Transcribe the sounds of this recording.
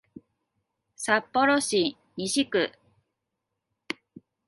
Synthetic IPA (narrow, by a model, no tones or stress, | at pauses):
sapːo̞ɾoɕi | ɲiɕikɯ̟